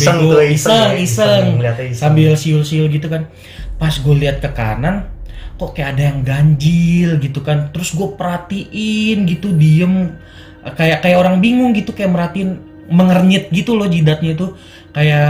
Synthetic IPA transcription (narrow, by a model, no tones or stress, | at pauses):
ŋuaisəŋisəŋsambɪlsiʊlsiʊlɡit̪ukan | pasɡualiɦat̪̚kəka̰nankokajaʔːdajaŋɡaɲd͡ʒɪlɡit̪ukant̪əɾʊsɡuapəɾat̪iʔɪnɡit̪udiəm | kajakajaʔoɾaŋbiŋʊŋɡit̪ukajaʔməɾat̪iɪn | məŋərɲɪt̪̚ɡit̪ulɔhd͡ʒidat̪̚ɲat̪u | kaja